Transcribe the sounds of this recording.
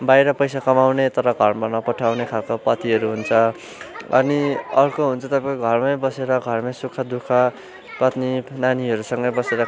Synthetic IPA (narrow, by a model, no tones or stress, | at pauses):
bajɾʌpʌjsakʌmawnet̪ʌɾʌɡʱʌrbʌrnʌpʌʈʰawnekʰalkopʌt̪iɦʌɾuɦunt͡sʰʌ | ʌ̰niʌrkoɦunt͡sʰʌt̪ʌpãoɡʱʌrmʌjbʌseɾʌɡʱʌrmajsukʰːʌd̪ukʰʌ | pʌt̪ninaniɦʌɾusʌŋɡʌjbʌseɾʌ